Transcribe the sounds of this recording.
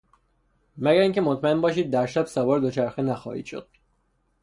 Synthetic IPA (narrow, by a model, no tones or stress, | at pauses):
mæɡæɾiːŋcʰe̞mot̪ʰmæe̞nbɒːʃ̬iːd̪̚ːæɾʃæbsævɒːɾd̪ot͡ʃʰæɾxenæxɒ̰ːhḭːd̪̥ʃo̰d̪̥̚